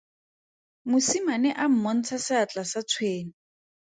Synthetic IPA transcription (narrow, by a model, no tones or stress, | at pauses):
mʊsimanɛʔam̩mɔn̩t͡sʰasɪat͡ɬasat͡sʰweːni